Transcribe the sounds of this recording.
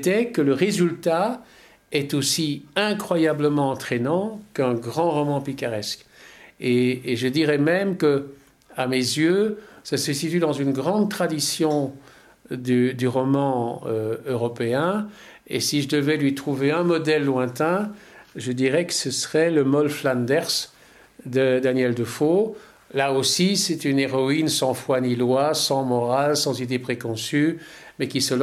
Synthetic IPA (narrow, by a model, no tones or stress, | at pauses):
t̪ɛkələʁezylt̪a | ɛt̪osiɛ̃kχwajabləmɑ̃ɑ̃t̪χɛnɑ̃kɛ̃ɡʁɑ̃ʁɔmɑ̃pikaʁɛskeːʒəd̪iʁɛmɛmkə | amezjøsasəsit̪ɥyd̪ɑ̃zynɡʁɑ̃d̪̚t̪χad̪isjɔ̃ | d̪yd̪yʁɔmɑ̃øøʁɔpeɛ̃ | ḛsiʒəd̪əvɛlɥit̪χuveɛ̃mɔd̪ɛlːwɛ̃t̪ɛ̃ | ʒəd̪iʁɛkə̥səsəʁɛləmɔlflãnd̪ɛʁs | d̪əd̪anjɛld̪əfo | laosisɛt̪yneʁɔinsɑ̃fwanilwasɑ̃mɔʁalsɑ̃zid̪epχekɔ̃sy | mɛkʲisəl